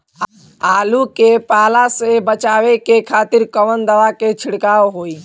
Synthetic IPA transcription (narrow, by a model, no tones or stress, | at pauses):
aːlukepaːlasebət͡ʃaːʋekekʰaːt̪iɾkəʋənd̪əʋaket͡ʃʰiɽkaːoɦoi